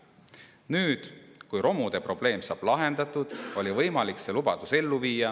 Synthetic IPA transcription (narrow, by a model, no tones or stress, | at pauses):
nyːd̪̥kujɾo̞mud̪̥e̞pro̞b̥le̞ːmsɑːb̥lɑɦe̞nd̪̥ɑt̪ːˑud̪̥o̞lʲivɤjmɑlikse̞lubɑd̪̥use̞lːuviːjːɑ